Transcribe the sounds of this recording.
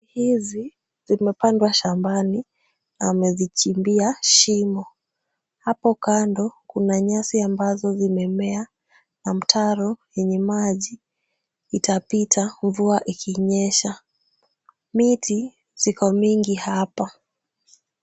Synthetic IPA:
ihizi | zimɛpandwaʃambani | namɛzit͡ʃimbiaʃimɔ | hapɔkandɔkunaɲasiambazɔzimɛmɛa | nam̩tʰaɾɔjɛɲɛmaʄiː | tapitʰaɱvuaʔikʰiɲɛʃa | miti | zikɔmiŋɡihapa

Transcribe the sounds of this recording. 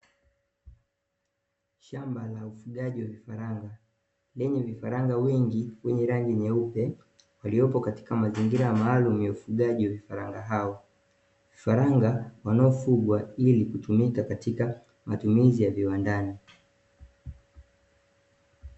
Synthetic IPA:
ʃambalaufuɠaʄiwavifaɾaŋɡa | lɛɲɛvifaɾaŋɡawɛŋɡiwɛɲɛɾaŋɡiɲɛupɛ | waliɔpɔkati̥kamaziŋɡiɾajamaːlumujaufuɠaʄiwavifaɾaŋɡaɦaɔ | vifaɾaŋɡawanaɔfuɡwailikutumikakatika | matumizijaviwandani

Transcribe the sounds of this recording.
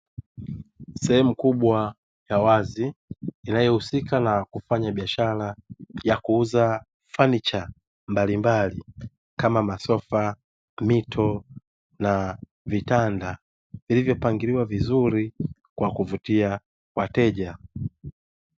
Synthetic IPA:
sɛhɛmukuɓwa | jawaziinajɔhusikanakufaɲaɓiaʃalajakuuza | fanit͡ʃa | mbalimbali | kamamasɔfa | mitʰɔ | na | vitanda | vilivjɔpaŋɡiɾiwavizuɾi | kwakuvutia | kwatɛʄa

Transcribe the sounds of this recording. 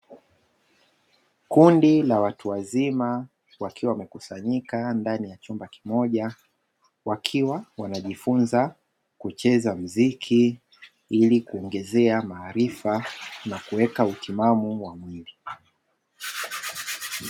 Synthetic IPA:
kundilawatuwazima | wakiwawmɛkusaɲikandanijat͡ʃumbaki̥mɔʄa | wakʰiwawanaʄifunza | kut͡ʃɛzam̩zikʰi | ilikuɔŋɡɛzɛamaːɾifanakuwɛkautimamuwamwili

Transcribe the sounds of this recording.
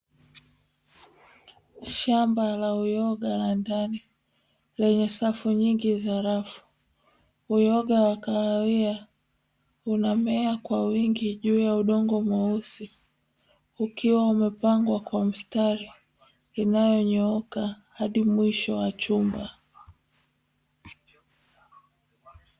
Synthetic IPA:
ʃambalaujɔɠalandani | lɛɲɛsafuɲiŋɡizaɾafu̥ | ujɔɠawakaaia | unamɛakwawiŋɡiʄuːjauɗɔŋɡɔmɔusi | ukiwaumɛpaŋɡwakwam̩staɾiː | najɔɲɔɔka | haɗimwiʃɔwat͡ʃumba

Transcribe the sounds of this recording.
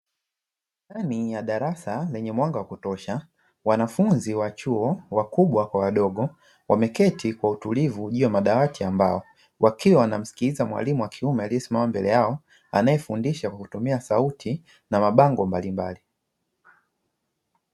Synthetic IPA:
tanijaɗaɾasalɛɲɛmwaŋɡawakutɔʃa | wanafunziwat͡ʃuɔwakuɓwakwawaɗɔɡɔ | wʔamɛkɛtʰikwautulivuʄujamaɗawatiamba̰ɔ | wʔakiwawanam̩si̥kiizamwa̰limuwakʰiumɛaliɛsimamambɛlɛjaɔ | anajɛfundiʃakwakutumiasautʰi | namaɓaŋɡɔmbalimba̰li

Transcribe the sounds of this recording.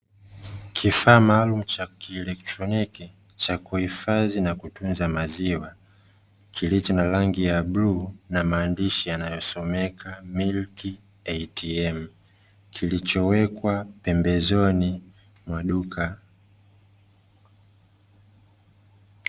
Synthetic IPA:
kʰifaːmaːlum̩t͡ʃakiɛlɛk̚tɾɔniki | t͡ʃakuhifazinakutunzamaziwa | kʰilit͡ʃɔnalaŋɡijaɓluːnamaːndiʃijanajɔsɔmɛkʰamilki | ɛjtʰiɛm̩ | kʰilit͡ʃɔwɛkwapɛmbɛzɔni | mwaɗukʰa

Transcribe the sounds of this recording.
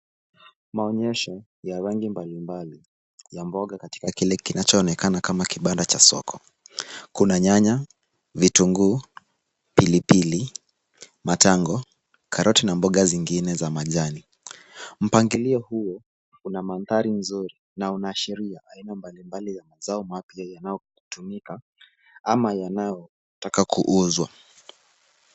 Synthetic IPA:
maɔɲɛʃɔ | jaɾaŋɡimbalimbali | jambɔɠakati̥kakilɛkinat͡ʃɔːnɛkanakamakiɓandat͡ʃasɔ̰kʰɔ | kunaɲaɲa | vituŋɡu | pilipili | mataŋɡɔ | kʰaɾʔɔtinambɔɠaziŋɡinɛzamaʄani | m̩paŋɡiliɔhujɔ | unamanθaɾinzuɾi | naunaʃɛɾiaʔainambalimbalijamazaɔmapiajanajɔ | tumika | amajanajɔ | takakʰuʔuzwa

